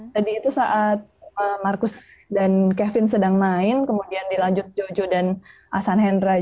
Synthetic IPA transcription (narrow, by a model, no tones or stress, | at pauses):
t̪adiːt̪usaʔat̪̚əmːarkʊsdankɛfɪnsədaŋmaɪnkəmudiandilaɲd͡ʒʊt̪̚d͡ʒod͡ʒodanʔasanɦɛnɾa